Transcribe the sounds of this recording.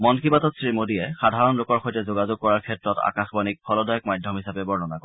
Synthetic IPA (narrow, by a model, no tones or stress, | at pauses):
mɔnkʰibatɔtsɹimodiɛxadʱaɹɔnlʊkɔɹxojtɛzoɡazʊɡ̚kɔɹaɹkʰɛtɹɔta̰kaxbɔnik̚pʰɔlɔdɔjɔkmajdʱɔmɦisabɛbɔɹnɔnakɔ